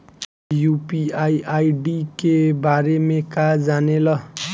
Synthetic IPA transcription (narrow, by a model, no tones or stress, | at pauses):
jupiajʔajɖikebaɾemekad͡zanelʌ